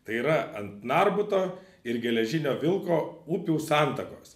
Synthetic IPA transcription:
t̪ɐɪiːɾɐɐnt̪nɑɾbʊt̪oː | ɪɾɡʲɛlʲɛʒʲɪnʲoːʋʲɪlˠkoːuːpʲuʊsɑˑnt̪ɐkoːs

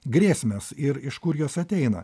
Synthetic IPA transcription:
ɡɾʲeːsʲmʲɛsɪɾɪʃkʊɾjoːsɐt̪ʲɛɪnɐ̰

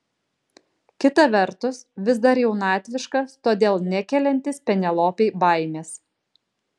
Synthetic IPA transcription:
kʲɪt̪ɐʋʲɛɾt̪ʊsʋʲɪzd̪ɐɾjɛʊnɑːt̪ʲʋʲɪʃkɐst̪oːd̪ʲeːlˠnʲɛkʲɛlʲɛnʲt̪ʲɪspʲɛnʲɛlˠoːpʲɛɪbɐɪmʲeːs

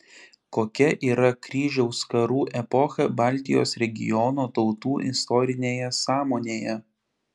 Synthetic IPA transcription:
koːkʲɛʔiːɾɐkɾʲiːʒʲɛʊskɐɾuːʔɛpɔxɐbɑːlʲt̪ʲɪjo̰ːsɾʲɛɡʲɪ̰jɔnoːt̪ɒʊt̪uːʔɪst̪ɔːɾʲɪnʲeːjɛsɑːmoːnʲeːjɛ

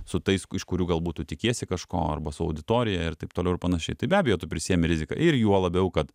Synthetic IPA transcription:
sʊt̪ɐɪsɪʃkʊɾʲuːɡɐlˠbuːtʊtʲɪkʲeːɛsʲɪkɐʃko̰ːɐ̰rbɐsʊɐ̰ʊd̪ʲɪt̪oːɾʲɪjɛɪrt̪ɐɪp̚t̪oːlʲɛʊɪpɐnɐʃʲɛɪt̪ɐɪbʲæːbʲɛjoːt̪ʊpʲɾʲɪsʲiɛmʲɪɾʲɪzʲɪkɐ̰ʔɪrjuɔlˠɐbʲɛʊkɐt̪

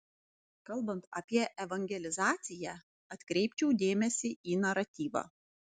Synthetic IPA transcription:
kɐlˠˑbɐnt̪ɐpʲiɛʔɛʋɐŋʲɡʲɛlʲɪzɑːt̪sʲɪjɛ | ɐt̪ʲkɾʲɛɪp̚ʲt͡ʃʲɛʊd̪ʲeːmʲɛsʲɪiːnɐɾɐt̪ʲiːʋɑ̰ː

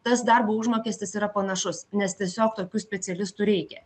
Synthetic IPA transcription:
t̪ɐsd̪ɐɾbuːʊʒmoːkʲɛsʲt̪ʲɪsiːɾɐpɐnɐʃʊsnʲɛst̪ʲiɛsʲoːkt̪oːkʲuːsʲpʲɛt̪sʲɛlʲɪst̪uːɾʲɛɪkʲɛ

